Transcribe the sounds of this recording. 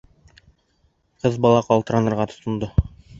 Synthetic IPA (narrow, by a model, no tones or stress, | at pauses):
qɤzbɒlˠɑqɒlˠt̪ɤ̆ɾɑnɤ̆ɾʁɑt̪ʰŏ̥t̪ŏnd̪ɤ